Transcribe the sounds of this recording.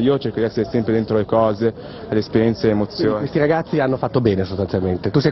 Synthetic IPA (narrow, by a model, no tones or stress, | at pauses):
iːot͡ʃeɾkod̪iɛsːeɾesɛmpɾed̪ent̪ɾolekɔːze | leːspeɾjɛnt̪selemot̪sːjooːnkest̪iɾaɡat̪sːianːofat̪ːobɛːnesost̪anjalment̪et̪usɛj